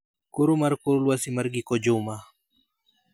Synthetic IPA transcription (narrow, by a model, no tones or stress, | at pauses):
kuɾumaɾkuɾulwasimaɾɡikɔd͡ʒuma